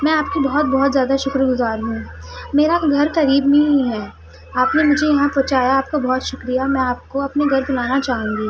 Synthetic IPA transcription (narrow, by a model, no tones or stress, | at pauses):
mɛ̃aːp̚kibɔɦɔt̪̚bɔɦɔt̪zjaːd̪aʃʊkɾɡʊzaːɾɦũːmeːɾaɡʱɐɾkɐɾiːbmẽɦɛː | aːpnemʊd͡ʒʱejɐɦãpɐt͡ʃaːjaːp̚kabɔɦɔt̪ʃʊkɾijamɛ̃aːp̚koɐpneɡʱɐɾbʊlaːnat͡ʃaːɦũːŋɡiː